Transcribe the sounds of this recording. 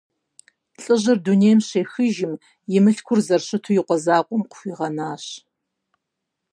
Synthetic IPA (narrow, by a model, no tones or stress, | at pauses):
ɬʼɨʑɨrduneːjmɕeːxɨʒɪm | jɪmɨɬkʷʰʊrzɐrɕɨtʰujɪqʷɔzaːqʷʼɔmqʷʊ̥xʷiːʁɐnaːɕ